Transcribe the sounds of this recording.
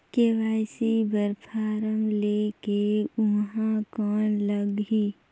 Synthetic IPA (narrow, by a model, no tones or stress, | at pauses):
keʋaːjsibəɾpʰaːɾəmleːkeʊnɦãkɔːnləɡɦiː